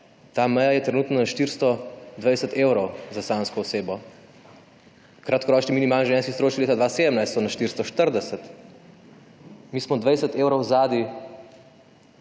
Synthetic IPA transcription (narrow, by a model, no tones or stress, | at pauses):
t̪amɛjajɛt̪ɾɛnuːt̪nɔnaʃt̪iɾst̪ɔd̪ʋɛjsət̪eːwɾɔwzasanskɔɔseːbɔ | kɾat̪̚kɔɾɔːt͡ʃniminimaːlnʒʋɛ̃nskist̪ɾoːt͡ʃilet̪ad̪ʋaːseːd̪əmnajst̪ɔnaʃt̪iɾst̪ɔʃt̪əɾd̪ɛsɛt̪ | mismɔd̪ʋɛjsət̪eːwɾɔwzaːd̪i